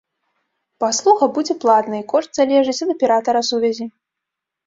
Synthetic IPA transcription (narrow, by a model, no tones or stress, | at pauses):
paslˠuxɐbud͡zʲɛplˠad̪nɐikɔʂt̪zalʲɛʐɨt͡sʲɐd̪ɨpʲɛɾat̪ɐɾɐsuvʲɛzʲi